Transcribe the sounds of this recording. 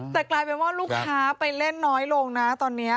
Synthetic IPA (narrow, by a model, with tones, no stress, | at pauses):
t̪ɛː˨˩klaː˧jpe˧nwaː˥˩luː˥˩kʰːaː˦˥pa˧jle˥˩nːɔː˦˥jloː˧ŋna˦˥t̪ɔː˧nːi˦˥ɐ